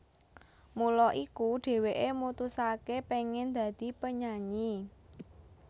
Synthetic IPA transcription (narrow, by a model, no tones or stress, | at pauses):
mulɔʔikuɖ̥e̤weʔemut̪usakepeŋɪnd̪̥ä̤d̪̥i̤pəɲaɲi